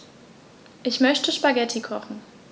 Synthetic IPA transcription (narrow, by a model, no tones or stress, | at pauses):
ʔɪçmœçtəʃpaɡɛtʰikʰɔχn̩